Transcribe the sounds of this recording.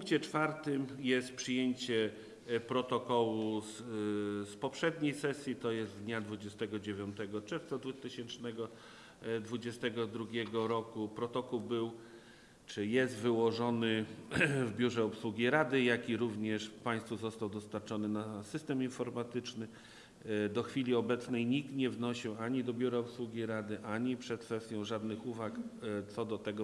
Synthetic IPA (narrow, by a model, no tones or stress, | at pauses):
ppuŋk̚t͡ɕɛt͡ʂfaɾt̪ɘmjɛst̪̚pʂɘjeɲt͡ɕɛ | pɾɔt̪ɔkɔwu | spɔpʂɛd̪ɲejsɛsʲjit̪ɔjɛst̪d̪ɲad̪vud͡ʑɛst̪ɛɡɔd͡ʑevʲjɔnt̪ɛɡɔt͡ʂɛɾft̪sad̪vut̪ɘɕɛnt͡ʂnɛɡɔ | d̪vud͡ʑɛst̪ɛɡɔd̪ɾuɡʲɛɡɔɾɔkupɾɔt̪ɔkuwbɘw | t͡ʂɘjɛst̪vɘwɔʐɔnɘ | vbʲjuʐɛɔpswuɡʲiɾad̪ɘjakʲiɾuvɲɛʂpaj̃st̪fuzɔst̪awd̪ɔst̪aɾt͡ʂɔnɘnasɘst̪ɛminfɔɾmat̪ɘt͡ʂnɘ | d̪ɔxfʲilʲiɔbɛt̪snɛjɲik̚t̪ɲɛvnɔɕiwaɲid̪ɔbʲjuɾaɔpswuɡʲiɾad̪ɘʔaɲipʂɛt̪̚fɛst̪ʲjɔ̃w̃ʐad̪nɘxuvakt̪sɔd̪ɔt̪ɛɡɔ